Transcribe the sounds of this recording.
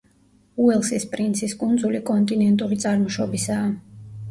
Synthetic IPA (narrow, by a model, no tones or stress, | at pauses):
uɛlˠsispʼɾint̪sʰiskʼund̪zulikʼɔnt̪ʼinɛnt̪ʼuɾit̪sʼaɾmɔʃɔbisaː